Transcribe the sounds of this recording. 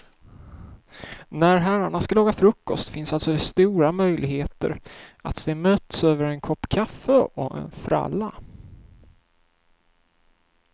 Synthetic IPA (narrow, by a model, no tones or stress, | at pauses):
næɾɦæɾaɳaskalɑːɡafɾɵkːɔst̪fɪnsalt̪sɔɛst̪uːɾamœjlɪɡheːt̪ə̰ɾʔat̪d̪ɛmøːt̪søːvəɾɛnkʰɔpːkʰafːəɔʔɛ̰nfɾa̰lːa